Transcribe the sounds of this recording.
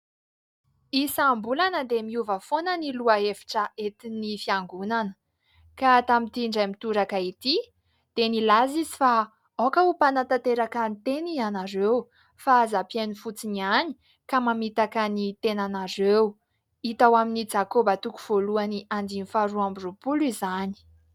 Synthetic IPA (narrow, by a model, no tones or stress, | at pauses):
isambulanəd̪emiuvəfonəniluaefi̥ʈ͡ʂəet̪inifiaŋɡunanə̥ | kat̪amit̪iɳɖ͡ʐamit̪uɾakait̪i | d̪̥enilazizifa | okəupanat̪at̪eɾakanit̪enianaɾew | fazapienifut͡siniani̥ | kamamit̪akənit̪enanaɾew | it̪awaminid͡ʒakobat̪ukuv̥oluaniʔand̪inifaɾuambirupulizani̥